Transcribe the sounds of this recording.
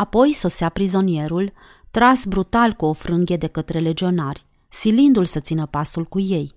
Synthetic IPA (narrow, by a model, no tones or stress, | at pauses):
apo̞jso̞seapɾizo̞nije̞ɾul | t̪ɾasbɾut̪alkuo̞fɾɨŋɡʲe̞d̪e̞kət̪ɾe̞le̞d͡ʒio̞narʲ | silind̪ulsət̪sinəpasulkuje̞j